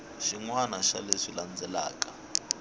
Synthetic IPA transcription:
ʃiŋwanaʃa̰leʂiland͡zʱɛla̰ːk̬ʼa

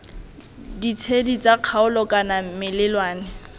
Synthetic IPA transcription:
dit͡sʰedit͡sʼaq͡χʰaʊlɔkʼanamɪlɪlwaːnɪ

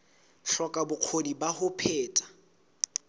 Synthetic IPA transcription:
ɬɔkʼabʊq͡χʰodibahʊpʰeːtʼḁ

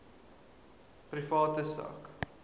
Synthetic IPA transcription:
prifɑːtəsɑ̰ːk

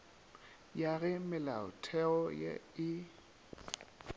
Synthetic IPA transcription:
jaɣɛmɪlaʊ̰tʰɛɔjɛ̰ɪ

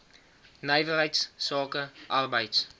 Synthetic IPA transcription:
nəjvərɦəjtssɑːkəʔɐrbəjts

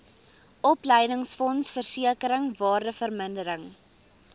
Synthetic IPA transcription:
ʔɔpləjdəŋsfɔnsfərsiəkəɾəŋvɑːrdəfərməndəɾəŋ

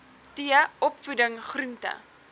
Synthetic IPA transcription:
tiəɔpfudəŋχrʉntə̰

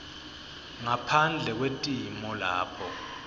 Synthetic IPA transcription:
ŋapʰand͡ɮʱɛk̬wetʼimɔlaːpʰɔ

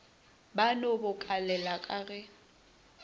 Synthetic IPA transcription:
banobʊkʼalɛlakʼaɣɛ

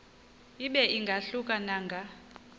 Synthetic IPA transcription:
iɓɛiŋɡʱaɬukʼanaːŋɡʱa

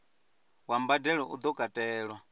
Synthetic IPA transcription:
wambadɛɺɔʔṵd̪ɔkʼatʼɛːɺwa

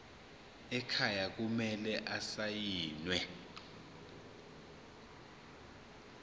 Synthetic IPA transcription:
ɛkʰajak̬umɛlɛʔasajiːnwɛ

